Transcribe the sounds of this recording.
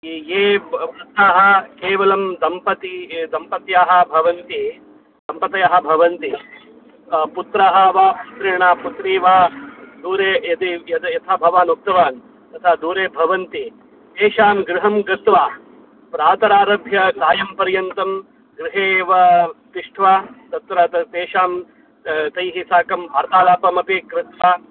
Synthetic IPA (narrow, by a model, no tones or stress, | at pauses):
ieːɐt̪ʰaːɦɐ̆keːʋɐlɐmd̪ɐmpɐt̪id̪ɐmpɐt̪jaːɦɐ̆bʱɐʋɐnt̪i | d̪ɐmpɐt̪ɐjaːɦɐ̆bʱɐʋɐnt̪i | put̪ɾaːɦɐʋaːtɾiɳaːput̪ɾiːʋaːd̪uːɾeːɐt̪ijɐt̪ɐjɐt̪ʰaːbʱɐʋaːnuk̚t̪ɐʋaːn | t̪ɐt̪ʰaːd̪uːɾeːbʱɐʋɐnt̪i | t̪eːʃaːmɡɾɪɦɐmɡɾɪt̪ʋaː | pɾaːt̪ɐɾaːɾɐbʱjɐɡaːjɐmpɐɾjɐnt̪ɐm | ɡɾɪɦeːʋɐt̪iʂʈʰʋat̪ɐt̪ɾɐt̪ɐt̪eːʃaːm | t̪ɐjɦisaːkɐmbʱaːɾt̪aːlaːpɐmɐpikɾɪt̪ʋaː